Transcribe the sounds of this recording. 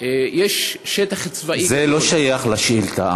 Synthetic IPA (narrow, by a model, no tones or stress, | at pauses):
jeʃʃet̪aχt͡svaizelo̞ʃajaχlaʃʔilt̪a̰ʔa̰